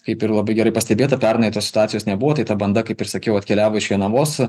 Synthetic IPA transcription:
kɐɪpɪɾlˠɐbɐɪɡʲɛɾɐɪpɐsʲt̪ʲɛbʲeːt̪ɐpʲæɾnɐɪt̪oːsʲɪ̥t̪ʊɑːt̪sʲɪjoːsnʲɛbʊʋoːt̪ɐɪt̪ɐbɐnd̪ɐkɐɪpɪrsɐkʲɛʊɐt̪ʲkʲɛlʲæːʋoːɪʃʋʲiɛnɐʋoːs

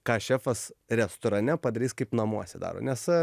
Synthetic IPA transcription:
kɑːʃʲæːfɐsrʲɛst̪oɾɐnʲɛpɐd̪ɐɾʲiːskɐɪpnɐmuɔsʲɛd̪ɑ̰ːɾo̰ːnʲɛs

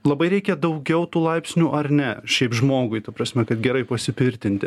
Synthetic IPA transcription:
lˠɐbɐɪɾʲɛɪkʲɛd̪ɒʊɡʲɛʊt̪uːlˠɐɪpʲsʲnʲuːʔɐrnʲɛʃʲɛɪpʒmoːɡʊɪt̪ɐpɾɐsʲmʲɛkɐt̪ɡʲɛɾɐɪpɐsʲɪpʲɪɾʲt̪ʲɪnʲt̪ʲɪ

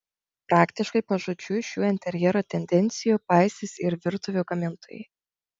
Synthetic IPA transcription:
pɾɑːkt̪ʲɪʃkɐɪpɐʒʊt͡ʃʲuʃʲuːɪnʲt̪ʲɛɾʲjɛɾoːt̪ʲɛnʲd̪ʲɛnʲt̪sʲɪjuːpɑˑɪsʲɪsʲɪɾʋʲɪɾt̪ʊʋʲuːɡɐmʲɪnt̪ʰoːjɛ̰ɪ

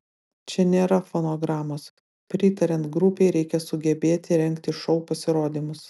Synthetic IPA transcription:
t͡ʃʲɛnʲeːɾɐfoːnoːɡɾɑːmoːs | pʲɾʲɪt̪ɐɾʲɛnt̪ɡɾʊpʲeɪɾʲɛɪkʲɛsʊɡʲɛbʲeːt̪ʲɪɾʲɛŋʲˑkt̪ʲɪʃɔʊpɐsʲɪɾoːd̪ʲiːmʊs

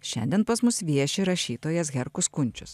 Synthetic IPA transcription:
ʃʲɛ̰nʲd̪ʲiɛnpɐsmʊsʋʲiɛʃʲɪɾɐʃʲiːt̪oːjɛsɡʲɛɾkʊskʊnʲt͡ʃʲʊs

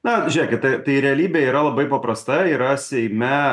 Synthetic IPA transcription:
nɐʒʲiɛkʲɪt̚t̪ɐɪt̪ɐɪɾʲɛɐlʲiːbʲeːiːɾɐlˠɐbɐɪpɐpɾɐst̪ɐiːɾɐsʲɛɪmʲɛ

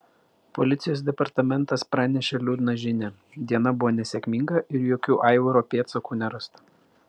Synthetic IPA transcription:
pɔlʲɪt̪sʲɪjoːs̬d̪ʲɛpɐɾt̪ɐmʲɛnˑt̪ɐspɾɑːnʲɛʃʲɛlʲuːd̪nɐʒʲɪnʲɛ | d̪ʲiɛnɐbʊʋoːnʲɛsʲekʲmʲɪŋɡɐʔɪɾjoːkʲuːʔɑˑɪʋoɾoːpʲeːt̪sokuːnʲɛɾɐst̪ɐ̥

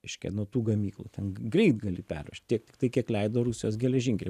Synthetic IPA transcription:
ɛɪʃʲkʲɛ̰nuɔt̪uːɡɐmʲiːklˠṵːt̪ʲɛnɡrʲɛɪt̪ɡɐlʲɪpʲɛ̰rʋʲɛ̰ʃt̪ʲtʲiɛkt̪ʲɪkt̪ɐɪkʲiɛklʲɛɪd̪oːɾusʲɪjoːsɡʲɛlʲɛʒʲɪŋʲkʲlʲɪ

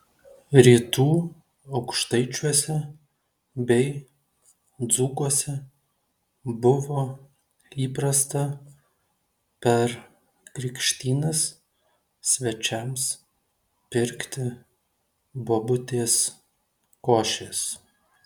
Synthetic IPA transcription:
ɾʲiːt̪uː | ɒʊkʃt̪ɐɪt͡ʃʲuɔsʲɛ | bʲɛɪ | d̪zuːkuɔsʲɛ | bʊʋoː | iːpɾɐst̪ɐ | pʲɛɾ | kɾʲɪkʃʲt̪ʲiːnɐs | sʲʋʲɛt͡ʃʲɛms | pʲɪɾʲkt̪ʲɪ | boːbʊt̪ʲeːs | koːʃʲeːs

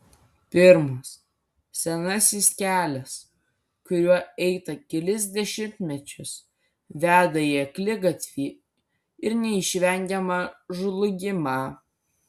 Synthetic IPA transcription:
pʲɪɾmos | sʲɛnɐsʲiskʲæːlʲɛs | kʊɾʲuɔɛɪt̪ɐkʲɛlʲɪzʲd̪ʲɛʃʲɪmʲt̪ʲmʲɛt͡ʃʲʊs | ʋʲæːd̪ɐjiɛklʲɪɡɐt̪ʲʋʲiː | ɪɾnʲɛɪʃʲʋʲɛŋʲɡʲɛmɐʒʊlˠʊɡʲɪmɐ

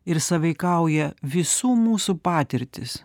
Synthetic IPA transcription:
ɪɾsɐʋʲɐɪkɐˑʊjɛʋʲɪsuːmuːsupɑːt̪ʲɪɾʲt̪ʲɪs

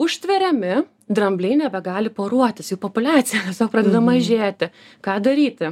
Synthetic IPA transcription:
ʊʃʲt̪ʲʋʲɛɾʲɛmʲɪ | d̪ɾɐmʲbʲlʲɛɪnʲɛbʲɛɡɑːlʲɪpoːɾuɔt̪ʲɪsjɛpoɔpʊlʲɑːt̪sʲɪjɛt̪ʲɛsʲoːk̚pɾɑːd̪ʲɛd̪ɐmɐʒʲeːt̪ʲɪ | kɑːd̪ɐɾʲiːt̪ʲɪ

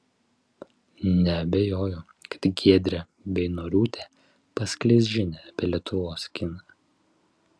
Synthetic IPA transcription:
nʲɛɐbʲɛjoːjʊ | kɐt̪ɡʲiɛd̪ʲɾʲɛ | bʲɛɪnoːɾʲuːt̪ʲe | pɐsʲklʲɛzʲʒʲɪnʲɛɐpʲeːlʲiɛt̪ʰʊʋoːskʲɪnɐ

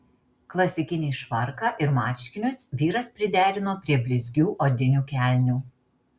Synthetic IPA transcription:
klˠɐsʲɪkʲɪnʲeːʃʋɐɾkɑʔɪɾmɑːʃʲkʲɪnʲʊsʋʲiːɾɐspʲɾʲɪd̪ʲæːɾʲɪnoːpʲɾʲiɛbʲlʲɪzʲɡʲuːʔoːd̪ʲɪnʲuːkʲæˑlʲnʲuː

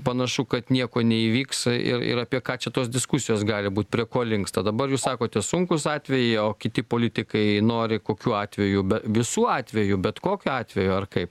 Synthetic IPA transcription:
pɐnɐʃukɐt̪nʲiɛkoːnʲɛiːʋʲiːksɪ̰ɾɪ̰ɾɐpʲiɛkɑːt͡ʃʲɛt̪oːsd̪ʲɪskʊsʲɪjoːsɡɑːlʲɪbuːt̪̚ʲpʲɾʲiɛkoːlʲɪŋkst̪ɐd̪ɐbɐrjuːssɑːkoːt̪ʲɛsʊŋkʊsɑːt̪ʲʋʲɛjɛɪoːkʲɪt̪ʲɪpoːlʲɪt̪ʲɪkɐɪnoːɾʲɪkoːkʲuːɑːt̪ʲʋʲɛjubʲɛʋʲɪsuːɑːt̪ʲʋʲɛjʊbʲɛt̪koːkʲʊɑːt̪ʲʋʲɛjuɐrkɐɪp

